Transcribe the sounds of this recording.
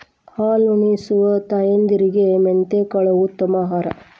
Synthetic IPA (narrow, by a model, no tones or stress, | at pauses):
haːlunisuʋɐt̪ɐjend̪iɾiɡement̪ekɐɭɐut̪ːɐmaːɦaːɾɐ̰